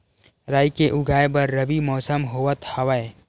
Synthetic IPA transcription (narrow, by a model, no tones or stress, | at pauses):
ɾaːikeʔʊɡʱaːebɐɾːɐbimɔːsəmɦoːʋət̪hɐʋəe